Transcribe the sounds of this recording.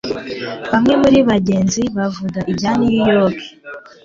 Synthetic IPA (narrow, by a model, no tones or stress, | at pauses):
βamŋe̞muɾiβaɟe̞ːnziβavuɡaʔibɟanijijokʰe̥